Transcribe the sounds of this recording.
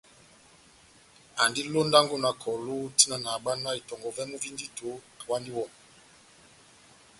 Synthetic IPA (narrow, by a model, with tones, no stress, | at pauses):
a˨ndi˦lo˦nda˦ŋɡo˦na˨kʰɔ˨lo˦ti˦na˨na˨ɓa˦na˦i˨tɔ˨ŋɡɔ˨vɛ˦mu˦vi˦ndi˦to˨˦ | a˨wa˦ndi˦wɔ˦˨n